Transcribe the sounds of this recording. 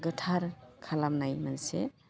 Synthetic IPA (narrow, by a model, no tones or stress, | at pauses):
ɡətʰaɾkʰalamnajmansḛ